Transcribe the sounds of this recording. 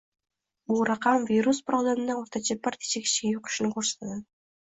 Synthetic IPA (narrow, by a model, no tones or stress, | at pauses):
bulˠɾɑqɑmvʲiɾuspɾabd̪emnd̪aoɾt̪at͡ʃʰabaɾt̪ʰi̥t͡ʃekʲi̥t͡ʃɡʲejuqʊ̥ʃnkʰoɾse̥t̪ʰad̪a